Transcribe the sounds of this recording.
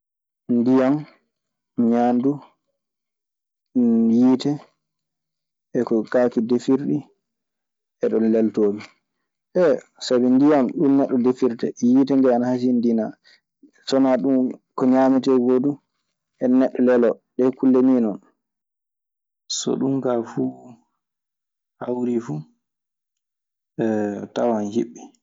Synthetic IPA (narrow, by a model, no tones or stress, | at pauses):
ndijam | ɲandu | jiːtɛ | ɛkɔkaːkidefiɾɗi | ɛɗɔnlɛltoːmi | ʔɛsabɛndijamɗumnɛɗːɔdefiɾtɛjitɛŋɡɛanahasindina | sɔnaɗumkɔɲamitɛɡodu | ɛnɛɗːɔlɛlɔɗɛkulːeninɔn | sɔ̰ɗumkafu | hawɾifu | ɛtawanhiɓːi